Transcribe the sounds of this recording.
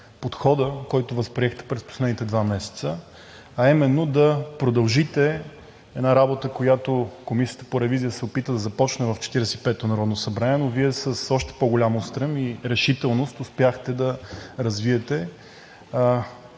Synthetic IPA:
pot̪xɔd̪əkɔjt̪ʊvɐspɾiɛxt̪ɛ̥pɾɛspo̥slɛd̪nit̪ɛd̪vamɛsɛ̥t̪sə | ɐimɛnːod̪ɐpɾod̪ɐlˠʒit̪ɛ | ɛd̪naɾabot̪əkojat̪okomisijə̥t̪ə̥poɾɛvizijəsɛopit̪vəd̪ɐzɐpɔt͡ʃnɛvɐft͡ʃɛ̥t̪iɾɛsɛipɛt̪onɐɾɔd̪nosɐbɾaniɛnoviɛsəsɔʃt̪ɛ̥poɡolʲamost̪ɾəmiɾɛʃit̪ɛlˠnost̪ʊspʲjaxt̪ɛd̪ɐɾɐzviɛt̪ɛ

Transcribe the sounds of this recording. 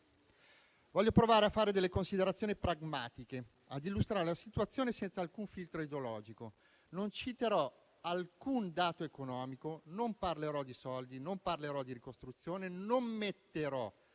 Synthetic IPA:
vɔʎːopɾovaːɾeafːaːɾed̪elːekonsid̪eɾat̪sːjoːnipɾaɡma̰ːt̪ike | ad̪ilːust̪ɾaːɾelasit̪wat̪sːjoːnesɛnt̪saːlkuɱfilt̪ɾoid̪eolɔːd͡ʒiko | nont͡ʃit̪eɾɔ | alkund̪aːt̪oekonɔːmikonomparleɾɔd̪isɔld̪inomparleɾɔd̪iɾikost̪ɾut̪sːjoːnenomːet̪ːeɾɔ

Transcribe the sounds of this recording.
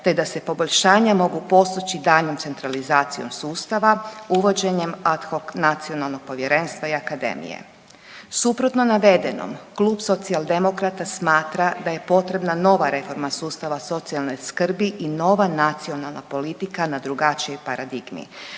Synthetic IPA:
t̪e̞d̪ase̞po̞bo̞ʎʲʃaːɲamo̞ɡupo̞st̪ot͡ɕid̪aːʎno̞mt̪se̞nt̪ɾalizaːt̪sio̞̰msuːst̪aʋauʋo̞d͡ʑe̞ɲe̞mat̪xo̞knat̪sio̞nalˠno̞ɡ̥̚po̞ʋje̞ɾe̞ːnst̪ʋaiakad̪ḛmḭjḛ | supɾo̞t̪no̞naʋe̞d̪e̞no̰mklˠuːbso̞t̪sialˠd̪e̞mo̞kɾat̪asmaːt̪ɾad̪aje̞po̞t̪ɾe̞bnano̞ʋaɾe̞fo̞ɾmasuːst̪aʋaso̞t̪sialno̞jskr̩biʔino̞ʋanat̪sio̞nalnapo̞lit̪ikanad̪ɾuɡat͡ʃijo̞jpaɾad̪iɡmḭ

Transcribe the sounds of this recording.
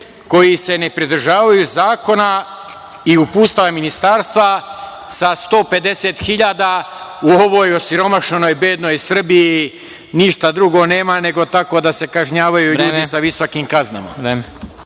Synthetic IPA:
ko̞jise̞ne̞pɾid̪r̩ʒaːʋajuzaːko̞na | iupuːst̪aaminist̪aːɾst̪ʋa | sast̪o̞ːpe̞d̪e̞se̞t̪xiʎad̪auoʋo̞jo̞siɾo̞maʃnno̞jbeːd̪no̞jsr̩biji | niʃt̪ad̪ɾuɡo̞ne̞ːmane̞ɡo̞t̪ako̞d̪ase̞kaʒɲaːʋajuuːdisaʋiso̞kimkazna̰ma̰ɾem

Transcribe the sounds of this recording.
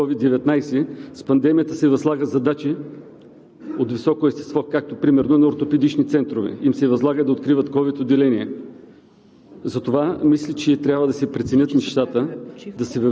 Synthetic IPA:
ɔvid̪d̪ɛvɛt̪najsɛspɐnd̪ɛmijət̪əsɛvɐzlˠaɡəzɐd̪at͡ʃi | ot̪visɔkoɛst̪ɛ̥st̪vɔkak̚t̪opɾimɛɾnonɐoɾt̪opɛd̪it͡ʃnit̪sɛnt̪ɾovɛ̰imsɛvɐzlˠaɡəd̪ɐot̪kɾivət̪kɔvit̪od̪ːɛlɛniɛ | zɐt̪ovamislʲit͡ʃɛt̪ɾʲabvəd̪ɐsɛpɾɛt̪sɛnʲət̪nɛʃt̪at̪əd̪ɐsɛvɐ

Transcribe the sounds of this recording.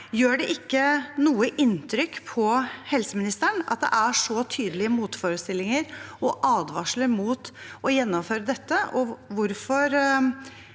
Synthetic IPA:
jøːɖɛʔɪkːənuːəʔɪnt̪ʰɾʏkːpʰɔhɛlsəmɪnɪst̪əɳɑ̰t̪̚d̪ɛ̰ʔæʂɔt̪ʰyːd̪əlɪəmuːt̪fɔːɾəst̪ɪlːɪŋəɾɔʔɑːd̪ʋɑʂləɾmuːt̪ʔɔjɛnːɔmføːɾəd̪ɛt̪ːəʔɔʋʊɾfɔɾ

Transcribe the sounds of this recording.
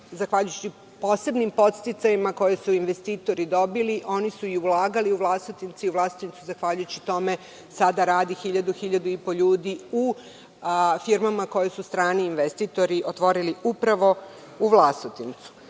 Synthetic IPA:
zaxʋaʎujut͡ɕi | po̞ːse̞bnimpo̞t̪st̪it̪sajimako̞jesuinʋe̞st̪iːt̪o̞ɾid̪o̞biliʔo̞nisuiulˠaːɡaliuʋlˠast̪ot̪int̪siuʋlˠast̪int̪suzaxʋaʎujut͡ɕit̪o̞me̞ | sad̪aɾaːd̪ixiʎad̪uxiʎad̪uipo̞ʎuːd̪iu | fiɾmamako̞jesust̪ɾaːniːnʋest̪it̪o̞ɾiʔo̞t̪ʋo̞ɾiliʔupɾaʋo̞ | uʋlˠast̪ot̪int̪su̥

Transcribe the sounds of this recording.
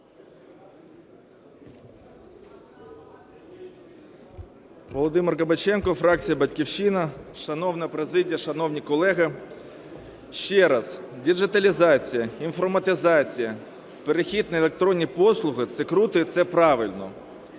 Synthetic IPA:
ʋɔlˠɔd̪ɪmɪrɣɐbɐt͡ʃɛnkɔfɾɑk̚t͡sʲijɐbɐtʲkʲiwʃinɐʃɐnɔwnɐpɾezɪdʲijɐʃɐnɔwnʲikɔlˠɛɦɐ | ʃt͡ʃɛɾɐzdʲid͡ʒɪt̪ɐlʲizɑt͡sʲijɐinfɔrmɐt̪ɪzɑt͡sʲijɐ | peɾexʲid̪̚nɐelˠek̚t̪ɾɔnʲːipɔslˠʊɦɪt̪sɛkɾut̪ɔit̪sɛpɾɑʋɪlʲnɔ̰

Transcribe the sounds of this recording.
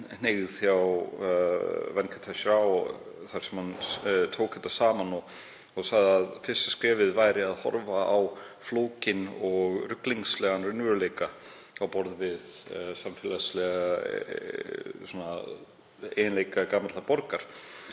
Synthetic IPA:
neɣθjaw | vɛnkʰḁt̪ʰasɾaw | θaɾ̥sɛmhant̪ʰoːwkhɛjt̪asaːmanɔɣ | ɔɣsaɣðaðfɪ̥st̪askɾɛːvɪðvaːjɾɪaðhɔ̰ɾvaaw | floːwcɪnɔɣrʏkliŋslɛɣanrʏnvʏɾleːjka | awpɔɾðvɪðsamfɪːlaslɛɣaa | sɔna | ejnleːjkakaːmat̪lapɔɾkaɾ̥

